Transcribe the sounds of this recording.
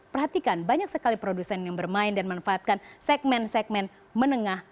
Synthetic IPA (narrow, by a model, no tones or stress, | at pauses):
pərɦat̪ikanbaɲak̚səkalipɾodusɛnjaŋbərmaɪndanmanfaːt̪̚kansɛɡ̚mɛnsɛk̚mɛn | mənəŋah